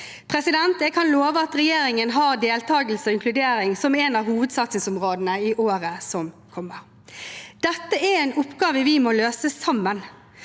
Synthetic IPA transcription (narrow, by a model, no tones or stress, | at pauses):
pʰʁɛsɪd̪ɛnt̪ɛɡkʰɑnloːʋəɑt̪ɾɛjeːɾɪŋənɦɑːʁd̪eːlt̪ʰɑːɡəl̩səɔɪŋkʰlʉd̪eːɾɪŋsɔmɛːnɑːʋhuːʋəd̪sɑt̪sɪŋsʊmʁoːd̪ənəɪʔoːʁəsɔm | kʰɔmːəɾ | d̪̥ɛt̪ːəæɾɛːnʊpɡɑːʋəʋɪmɔːløːsəsɑmːən